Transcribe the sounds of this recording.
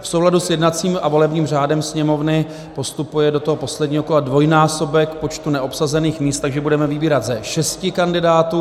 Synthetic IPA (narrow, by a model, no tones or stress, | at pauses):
fsowladusjɛdnat͡siːmʔavo̞lɛbɲiːmr̝aːdɛmsɲɛmo̞vnɪ | po̞st̪upujɛdo̞t̪oɦopo̞slɛdɲiːɦokoladvo̞jnaːso̞bɛkpo̞t͡ʃt̪unɛʔo̞psazɛniːxmiːst̪aɡʒɛbudɛmɛvɪbiːɾat̪zɛʃɛscɪkandɪdaːt̪uː